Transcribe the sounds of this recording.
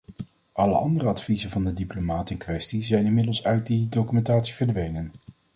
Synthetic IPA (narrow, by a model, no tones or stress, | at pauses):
ʔɑlə̰ʔɑ̰ndərəɑtfizənvɑndədiplomaːtənkʋɛstizɛjnɪnmɪdəlˠsœɥt̚didowkymɛntaːtsi̥v̥əɹdʋejnən